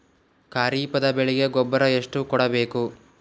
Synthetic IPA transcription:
kaːɾiːpɐd̪ɐbeɭiɡe̞ɡɔbːɐɾɐeʂʈukɔɽɐbe̞ːku

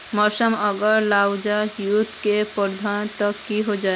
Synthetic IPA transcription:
məɾsəməɡəɾlawd͡ʒaɾjut̪kepəɾd̪ʱant̪əkːiɦod͡ʒaːe

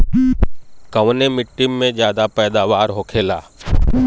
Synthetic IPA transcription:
kəʋnemɪʈːɪmːẽd͡ʒjaːd̪apɛːd̪aːʋaːɾɦoːkʰeːla̰ː

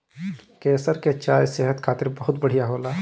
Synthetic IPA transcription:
keːsəɾket͡ʃaːjsɛɦət̪kʰaːt̪ɪɾbɐɦʊt̪bəɽ̤ijaɦoːlaː

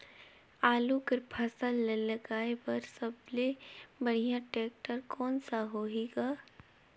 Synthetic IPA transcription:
aːlukəɾpʰəsəlːeləɡaːepɐɾsəblebɐɽ̤ijãʈeːk̚ʈəɾkɔːnsaɦoːɦeːɡaː

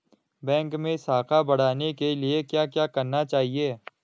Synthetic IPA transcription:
bɛ̃ːŋkmẽsaːkʰabɐɽ̤aːnekeliekjaːkjaːkɐɾnat͡ʃaːɦieː

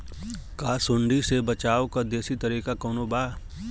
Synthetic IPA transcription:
kaːsʊ̃ɳɖisebɐt͡ʃaːowkad̪eːsit̪ɐɾiːkakɐːnobaː

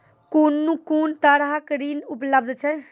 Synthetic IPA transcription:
kuːnːũkuːnt̪aɾɦakɾiːnupləbd̪ʱt͡ʃʰɛ

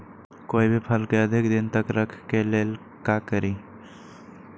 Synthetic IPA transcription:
koibʱipʰəlkeəd̪ʱikd̪int̪əkɾəkʰkelel | kakəɾi

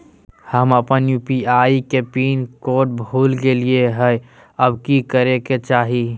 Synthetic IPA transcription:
həməpənjupiaikepiːnkoːʈ̚bʱuːlɡelieɦəj | əbkikəɾeket͡ʃaːɦi

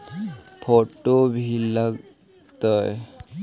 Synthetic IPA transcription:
pʰoʈobʱiləɡ | t̪əj

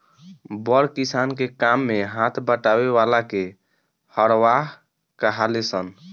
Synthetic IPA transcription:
bəɾkisankekamːeɦat̪ʰbəʈaβeʋalake | həɾʋaɦ | kəɦalesən

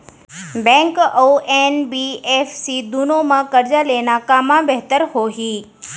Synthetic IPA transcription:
bɛ̃ːŋkoʔeːnbiːeːfsiːd̪unomãkɐɾd͡ʒaleːnakaːmãbɛɦt̪əɾhoːɦiː

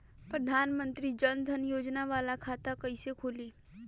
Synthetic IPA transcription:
pɾɐd̪ʱaːnmə̃nt̪ɾid͡ʒənd̪ʱənjoːd͡ʒnaʋaːlakʰaːt̪akɐisekʰoːliː

